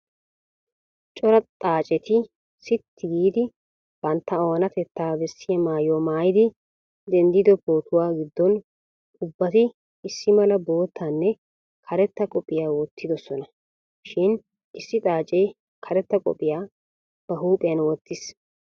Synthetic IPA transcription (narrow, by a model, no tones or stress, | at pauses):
t͡ʃʼɔɾɐt̪ʼaːt͡ʃʼɛt̪ɪ | sɪt̪ʰːɪɡiːd̪ɪ | b̥ɐnt̪ːɐowɔnɐt̪ɛt̪ːaːbɛsːɪjɐmaːjoːmaːjɪd̪ɪ | d̪ɛnd̪ɪd̪ɔboːt̪ʊwaːɡɪd̪ːɔn | ʊbːɐt̪ɪ | ɪsːɪmɐlɐbo̞ːt̪ʰːanːɛ | kʰɐɾɛt̪ːɐkʼɔpʼɪjaːwɔt̪ːɪd̪ɔsɔnɐ | ʃɪn | ʔɪsːɪt̪ʼaːt͡ʃʼɛj | kʰɐɾɛt̪ːɐkʼɔ̰pʼːɪjaː | b̥ɐɦuːpʼɪjɐnwɔt̪ːɪs